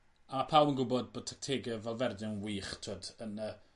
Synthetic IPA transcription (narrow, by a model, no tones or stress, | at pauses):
amapʰawənɡʊbɔd̚boːd̚tʰɛk̚tʰeːɡɛvɛlˠvɛrdjanwiːχtʰodənə